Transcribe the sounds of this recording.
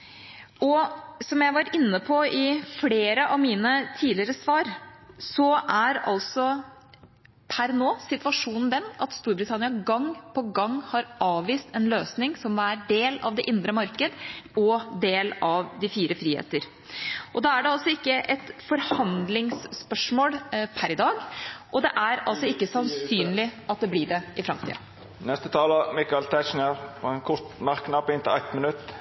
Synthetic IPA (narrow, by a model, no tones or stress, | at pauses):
ɔsɔmjæɪʋɑɾɪnːəpʰɔɪfleːɾəʔɑʋmiːnət̪ʰiːdlɪəɾəsʋɑːɾsɔʔæɾɑ̰lsɔ | pʰæɾnoːsɪt̪ʋɑʂuːnn̩d̪ɛnɑt̪st̪uːɾbɾɪt̪ʰɑnɪɑɡɑŋːpʰɔɡɑŋːhɑɾʔɑːʋːiːst̪ɛnløːsnɪŋsɔmæːɖeːlɑ̰ʋd̪ɛʔɪnd̪ɾəmɑɾkəd̪ɔd̪eːlɑʋd̪ɪfiːɾəfɾiːhḛːt̪əɾ | ʔɔd̪ɑːæɖɛɑlsɔɪkːəʔɛt̪fɔɾhɑnd̪lɪŋsːpœʂmoːlpʰæɾɪd̪ɑːɡʔɔd̪ɛʔæɾɑlsɔɪkːəsɑnsyːnlɪʔɑt̪̚d̪ɛblɪːɖɛɪfɾɑmt̪ʰḭɑ̰ | nɛst̪ət̪ʰɑːləmɪkɑlt̪ʰæt͡ʃnəɾpʰɔɛnkʰʊɾt̪mɑʁkːnɑpːɪnt̪ɪlɛt̪mənʉt̪ː